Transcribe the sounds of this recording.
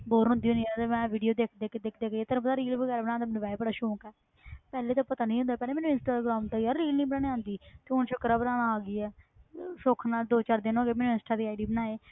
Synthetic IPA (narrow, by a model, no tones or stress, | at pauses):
boːɾʊ̃nd̪iːʊ̃nit̪emɛ̃ːʋiːɖijoːd̪eːkʰd̪eːkːd̪ekʰd̪eːkːeːt̪əɾpət̪aːɾiːlbəɡɛːɾbənãːnd̪aːmɛːnũːʋɛːbəɽaːʃõːkɛː | pɛːleːt̪õːpət̪aːnĩːɦʊ̃nd̪aːpɛːleːmɛːnũːɪnsʈaːɡɾaːmt̪aiaɾɾiːlnĩːbənaːneːãːnd̪iːt̪eːʊnt͡ʃʰʊkɾaːbənaːñaaːɡiːɛː | soːkʰnaːd̪oːt͡ʃaːɾd̪ɪnõːɡeːmɛːnũɪnsʈaːd̪iːaːɪɖiːbənaːeː